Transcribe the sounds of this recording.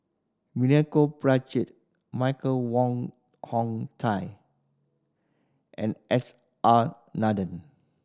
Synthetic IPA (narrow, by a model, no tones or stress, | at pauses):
minɛkobɹat͡ʃit̚ | maɪkəlwɔ̃ŋ | hɔ̃ŋtʰaɪ | ʔɛ̰̃nʔɛs | ʔa | nadə̃n